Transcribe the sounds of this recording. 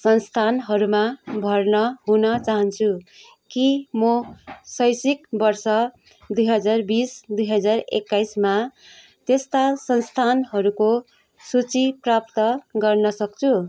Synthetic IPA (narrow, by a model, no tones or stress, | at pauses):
sʌnst̪ʰanɦʌɾumabʱʌrnʌɦunʌt͡saɦʌnt͡sʰu | kimʌsʌjsikbʌrsʌ | d̪ujɦʌd͡zarbisd̪ujɦʌd͡zarḛkːajsma | t̪est̪asʌnst̪ʰanɦʌɾuko | sut͡siprap̚t̪ʌɡʌrnʌsʌk̚t͡sʰu